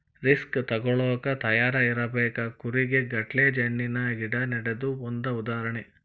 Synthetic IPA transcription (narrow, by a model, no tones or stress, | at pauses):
ɾiskt̪ɐɡɔɭɔːkɐt̪ɐjaːɾɐiɾɐbɛːkɐkuɾiɡe̞ɡɐʈleːd͡ʒɐɳːinɐɡiɽɐnɐɽed̪uond̪ɐud̪aːɾɐɳe